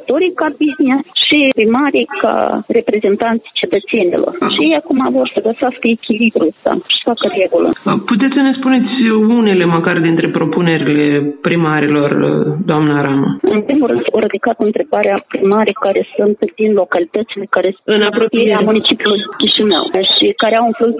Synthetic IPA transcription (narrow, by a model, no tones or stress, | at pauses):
t̪o̞ɾijkabiznisʃipɾimaɾeka̰re̞pɾe̞ze̞nt̪ant̪sijt͡ʃe̞t̪ət̪se̞nḭlo̰rʃijejakumavo̞rsəɡəsaskəekʲilibɾuəst̪a̰ʃi̥fakəre̞ɡulə̰put̪et̪sʲsəne̞spune̞t̪sʲune̞le̞məkard̪int̪ɾe̞pɾo̞pune̞ɾile̞pɾimaɾilo̞rd̪oamnaɾamə̰ɨnpɾimulɾɨnd̪oɾid̪ikat̪ɨnt̪ɾe̞baɾeapɾimaɾəkaɾe̞sunt̪d̪inlo̞kalit̪ət̪sile̞kaɾe̞ɨnapɾopijeɾɾeamunit͡ʃipjulujkʲiʃinə̰wʃikaɾeawɨnflu